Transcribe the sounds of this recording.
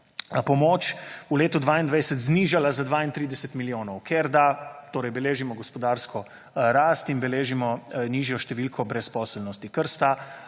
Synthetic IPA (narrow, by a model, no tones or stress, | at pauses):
pɔmoːt͡ʃuleːt̪ud̪ʋaːind̪ʋajsɛt̪zniːʒalazad̪ʋaːint̪ɾiːd̪ɛsɛt̪miljoːnɔwkʰeɾd̪at̪oːɾɛjbɛleːʒimɔɡɔspɔd̪aɾskʰɔ | ɾaːst̪inbɛleːʒimɔniːʒjɔʃt̪ɛʋilkʰɔbɾɛspɔːsɛlnɔst̪ikəɾst̪a